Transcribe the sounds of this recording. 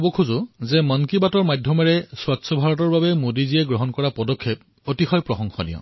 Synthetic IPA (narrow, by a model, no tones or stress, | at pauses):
bɔkʰuzʊzɛmɔnkibatɔɹmadʱjɔmaɹɛswatsɔbʱaɹɔtɔɹbabɛmodizijɛɡɹɔɦɔnkɔɹapɔdɔkʰːep̚ | otixɔjpɹɔxɔŋxɔnḭjɔ̰̃